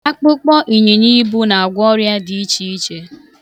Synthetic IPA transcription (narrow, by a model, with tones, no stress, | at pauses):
a˦k͡pʊ˦k͡pɔ˦ʔi˨ɲe˨ɲi˦bu˦na˨a˨ɡʷɔ˦ɾja˦di˨i˦t͡ʃi˦i˦t͡ʃe˦